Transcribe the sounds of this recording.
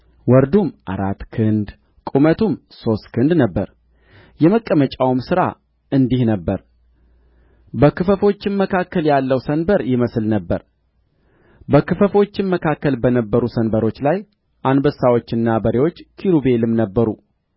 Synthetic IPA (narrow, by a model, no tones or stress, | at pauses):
wɔɾd̪umʔa̰ɾat̪ːkʰɨnd̪ | kʼumət̪ʰum | so̞st̪kʰɨnd̪nəbːəɾ | jɛməkʼːəmət͡ʃʼawmsɨɾa̰ | ɨnd̪ihnəbːəɾ | bəkɨfəfo̞t͡ʃːɪnmːəkʰakːəljalːəwsənbəɾjɪməslnəbːəɾ | bəkɨfəfo̞t͡ʃːɪnmːəkʰakːəlbənəbːəɾusənbəɾo̞t͡ʃːlaj | ʔanbəsawo̞t͡ʃːɨnːabəɾewo̞t͡ʃːkʰiɾube̞lɨmnəbːəɾu